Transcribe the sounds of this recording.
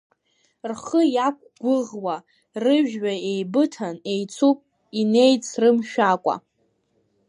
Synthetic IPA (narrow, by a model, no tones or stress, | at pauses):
rχəjakʷɡ̥ʷʊʁwa | rɨʒᶣɥaejbɨtʰane̞jt͡sʰupʼ | ine̞jt͡sʰrɨmʃᶣakʷʼa̰